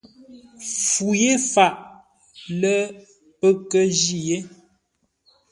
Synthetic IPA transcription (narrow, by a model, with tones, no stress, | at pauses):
fu˨je˦fa˦˨ʔ | lə˦ | pə˦kə˦d͡ʒi˦˨je˦